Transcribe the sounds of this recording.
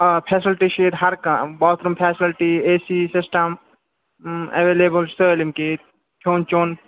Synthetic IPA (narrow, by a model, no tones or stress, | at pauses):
pʰeːsilʈiʃeːɾɦɐɾkɐ̃baːt̪ɾumpʰeːsɪlʈieːsisɪsʈɐm | ḛʋeleːbəlsəːlimki | kʰoːnt͡ʃoːn